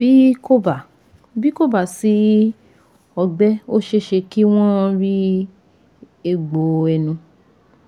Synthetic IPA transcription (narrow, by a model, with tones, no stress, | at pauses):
i˦ko˦ba˨ | bi˦ko˦˨ba˨si˨˦ | ɔ˧ɡ͡bɛ˦o˦ʃe˧ʃe˧ki˦w̃ɔ̃˦ɾi˦ | e˧ɡ͡bo˨ɛ˧˨nũ˧